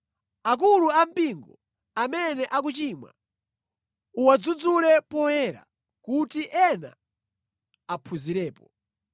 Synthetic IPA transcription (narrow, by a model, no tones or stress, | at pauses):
ak̬uluam̩piŋɡɔ | amɛnɛʔak̬ut͡ʃiːmwa̰ | uwad͡zud͡zulɛpɔhɛɾa̰ | kutiʔɛna̰ | apʰuziɾɛːpɔ